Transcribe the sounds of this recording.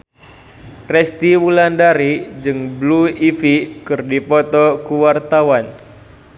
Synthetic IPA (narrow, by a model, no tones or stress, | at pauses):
rɛst̪iwulandaɾid͡ʒɨŋbluifikɨrdipɔt̪ɔkuwart̪awan